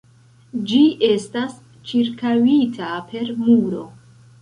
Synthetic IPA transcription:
d͡ʒie̞stas | t͡ʃiɾkawitʰapʰe̞ɾmuɾo̞

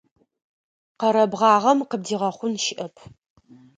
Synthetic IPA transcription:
qɐɾɐbʁɑːʁɐmqəb̚diːʁɐχʷʊnʃɪʔɐpʰ

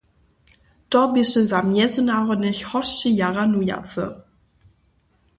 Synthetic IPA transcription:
d̥ɔbɪʃəzamjɛzunaʁɔnɪçhɔsijaʁanuja̰t͡sə̰

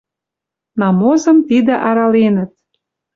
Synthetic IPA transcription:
nɑmozə̆mt̪id̪ĕʔɑɾɑlenə̆t̪̚

